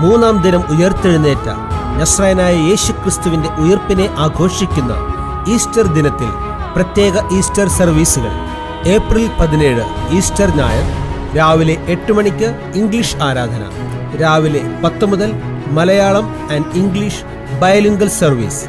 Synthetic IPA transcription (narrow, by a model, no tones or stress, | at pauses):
muːnːaːmd̪inɐmujɐrt̪ːiɻunːeːtːɨ̰ | nɐsrɐjɐnaːjɐje̞ːɕukrist̪uʋinde̞ʔujɐrpine̞ʔaːɡʱo̞ːʂikʲːunːɐ̰ | iːstɐrd̪inɐt̪ːḭl | prɐt̪je̞ːɣɐʔiːstɐrsɐrʋiːsuɣɐ̰ɭ | e̞ːprilpɐðineːɻɨiːstɐrna̰ːjɐ̰m | ɾaːʋile̞ʔːʈːumɐɳikʲːɨ | iŋɡliʂaːɾaːd̪ʱɐnɐ̰ | ɾaːʋile̞pɐt̪ːɐmuðɐl | mɐlɐjaːɭɐm | ɐnɖiŋɡɭiʂ | bɐjɐliŋɡɐlsɐrʋḭːs